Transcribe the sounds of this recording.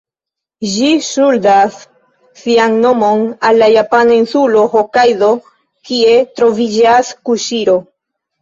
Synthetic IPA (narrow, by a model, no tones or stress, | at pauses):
ʒiʃuldasː | ianno̞mo̞nalːajapanainsulo̞hokajdo̞ | kie̞tɾo̞vid͡ʒaskuʃiɾo̞